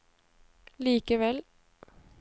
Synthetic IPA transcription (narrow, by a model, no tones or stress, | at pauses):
liːkəʋɛl